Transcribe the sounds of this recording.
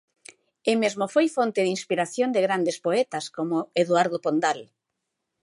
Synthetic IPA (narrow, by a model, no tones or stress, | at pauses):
ɪmezmofojfont̪ɪðinspiɾaθjond̪ɪɣɾand̪espoɛt̪askomoeðwaɾðopond̪al